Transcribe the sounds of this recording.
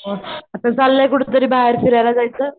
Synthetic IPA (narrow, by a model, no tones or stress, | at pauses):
ɦə̃at̪ãt͡salːjakuɽut̪̬əɾiːbʱaɦeɾfiɾajlad͡zajt͡səː